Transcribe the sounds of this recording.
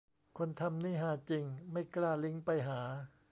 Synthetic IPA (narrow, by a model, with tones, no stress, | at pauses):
kʰo˧nt̪ʰa˧mniː˥˩ɦaː˨˦t͡ɕi˧ŋma˥˩jklaː˥˩li˦˥ŋpa˧jɦaː˩˦